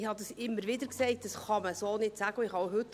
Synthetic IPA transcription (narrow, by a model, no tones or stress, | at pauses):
hɑd̪əsɪmːəɾʋɪdəɾkseɪt̚d̥ɑsχɑməsoːnɪtsæɡ̥əɪχhɑwɦʏt̪ː